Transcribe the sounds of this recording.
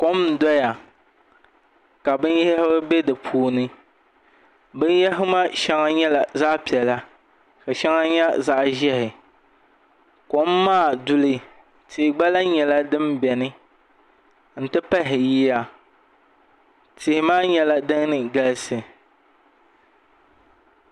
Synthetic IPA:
ko˨˦m˨dɔ˦ja˨ | ka˨bɨ˦n˦jɛ˦ɛ˦hɪ˦ba˦bɛ˦dɨ˨pʰuː˦nɨ˦ | bɨ˦n˦jɛ˦ɦɪ˦ma˦ʃɛ˦ŋa˦ɲɛ˦la˨za˦ʔpi˨ɛ˨la˦ | ka˨ʃɛ˦ŋa˦ɲɛ˦za˦ʔʒɛ˦hɪ˨ | ko˨˦mː˦aː˦˨du˦lɨ˦ | tʰɪ˨ɡ͡ba˦la˦ɲɛ˨la˦dɨ˦mbɛ˨nɨ˦ | n̩˨tɨ˦pɛ˦ɦɪ˨jiː˦ja˦˨ | tɪ˨hɪ˨maː˦ɲɛ˦la˦dɨ˦ŋ˦nɨ˨ɡa˦lsɨ˨

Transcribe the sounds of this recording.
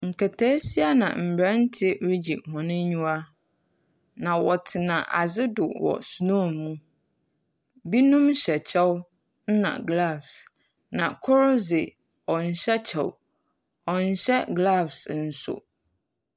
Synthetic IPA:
ŋ̩˨kʰɛ˨tʰɛː˦si˦a˦nã̰˨m̩˨bɾã˦n̩˦tʰɪ˦ɾi˦d͡ʑi˨hɔ̃˨nɪ̃˦ɲũ˦a˦ | nã˨wɔ˨tʰɪ˨nã˨ʔa˨zɪ˦dʊ̰˨wɔ̰˨su˨nũ˦mũ˦ | bi˦nũ˦m˦ɕɛ˨t͡ɕʰɛ˦w | n̩˦nã̰˨ɡla˦˨fs | nã˨kʰʊ˦ɾʊ˦zɪ˨ | ɔ˨n̩˨ɕɛ˦t͡ɕʰɛ̰˨w | ɔ˨n̩˨ɕɛ˦ɡla˦˨fsn̩˨sʊ̰˦

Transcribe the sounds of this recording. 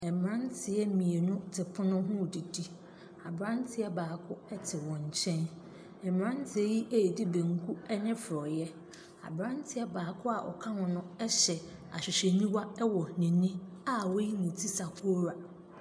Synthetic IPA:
ɛ˨m˨ɾã˦n˦tʰɪ˨ɛ˦mĩ˨e˨nʊ̃˦tʰɪ˨pʰʊ˦nʊ̃˦ɦʊ̃˦˨di˨di˦ | a˨bɾã˦n˦tʰɪ˦ɛ˦baː˨kʰʊ˦ɛ˦tʰɪ˨wɔ̃˨ɲ̩˨t͡ɕʰɛ̃˦n | ɛ˨m˨ɾã˦n˦tʰɪ˨ɛ˦ji˦ʔe˦˨di˦bẽ˨ŋ˨˦kʰu˦ɛ˦nɪ̃˦fʊ˨ɾɔ˨jɛ˦ | a̰˨bɾã˦n˦tʰɪ˨ɛ˦baː˨kʰʊ˦a˨ʔɔ̰˨kʰã˦hɔ̃˨nʊ̃˦ɛ˦ɕɛ˨a̰˨ɕᶣɪ˨ɕɛ˨nĩ˦wa˦ɛ˦wɔ˨nɪ̃˨nĩ˦a˨wo˦ji˦nʊ̃˨tʰi˦sa˨kʰo˦ɾa˨

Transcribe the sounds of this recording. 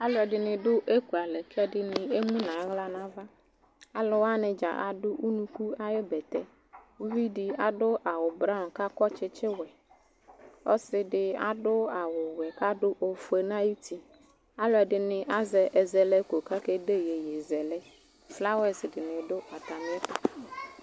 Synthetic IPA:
a˦lʊ˦ɛ˨dɪ˨nɪ̃˨dʊ˦ʔe˦ku˨a˨lɛ˨kɛ˦dɪ˨nɪ˨e˦mũ˦nã˨˦ɣla˦nã˦va˦ | a˨lʊ˨wa˦nɪ̃˨d͡ʒa̰˨ʔa̰˨dʊ˦ʔu˦nũ˦ku˦a˦jɪ˦bɛ˨t̪ɛ˦ | wu˦vi˦dɪ˨a˨dʊ˦ʔa˨wʊ˨bɾa˦˨ka˦kɔ˦t͡ʃɪ˦t͡ʃɪ˦wɛ˨ | ɔ̰˦sɪ˦dɪ˨a̰˨dʊ˦a˨wʊ˨wɛ˨ka˦dʊ˦ʔo˨fe˨nã˦ji˦tʰi˨ | a˦lʊ˦ɛ˨dɪ˨nɪ̃˨ʔa˦zɛ˨ʔɛ˨zɛ˨lɛ˦ko˨ka˦ke˦de˦je˨je˨zɛ˨lɛ˦ | fla˦wɛ˦sɪ˨dɪ˨nɪ̃˨dʊ˦a˨t̪a˨mɪ̃˦ɛ˦tʊ˦˨

